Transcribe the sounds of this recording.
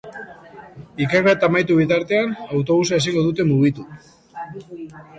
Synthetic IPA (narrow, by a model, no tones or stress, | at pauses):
ikeret̪amajt̪uβ̞it̪aɾt̪e̞anawt̪o̞βus̬ae̞s̬iŋɡo̞ðut̪e̞muɣ̞it̪u